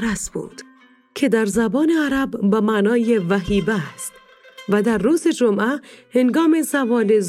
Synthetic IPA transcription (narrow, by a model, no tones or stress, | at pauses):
ɾæsb̥ṵːd̪̥ | kʰe̞d̪æɾzæbɒːneæɾæbbæmæːnɒːjevæɦiːbæst̪ | væd̪æɾːuːzed͡ʒomʔæhenɡɒːmesævɒːlez